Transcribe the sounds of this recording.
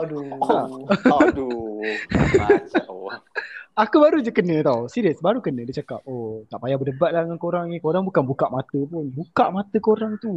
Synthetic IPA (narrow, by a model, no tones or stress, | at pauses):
sa | akubaɾud͡ʒəkənə̃t̪awsiɾəsbaɾukənə̃dit͡ʃakap̚ot̪aʔpajabədəbat̪̚ladŋankoɾaŋikoɾaŋbukanbukaʔmat̪əpʊnbukaʔmat̪əkoɾaŋt̪u